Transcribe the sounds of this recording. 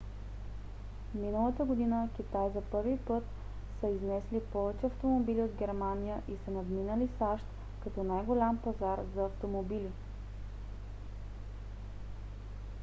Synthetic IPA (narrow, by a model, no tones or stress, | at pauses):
minəlˠət̪əɡod̪inək̟ʲit̪ajzɐpɤɾvipɤt̪ | səiznɛslipɔvɛt͡ʃɛɐft̪omobiliod̪ɡʲɛɾmanijəʔisənɐd̪minəlisaʃt̪ | kɐt̪ɔnajɡolʲampɐzaɾzɐːft̪omobili